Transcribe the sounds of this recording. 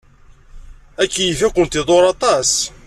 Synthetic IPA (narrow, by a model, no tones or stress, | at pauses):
ækːijəfækʷənt̪ɪðˤoɾˤɑt̪ˤɑs